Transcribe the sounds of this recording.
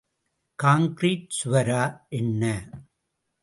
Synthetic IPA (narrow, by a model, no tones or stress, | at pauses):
kaːŋkɾiːʈ̚sʊʋɐɾaːʔɛnːɐ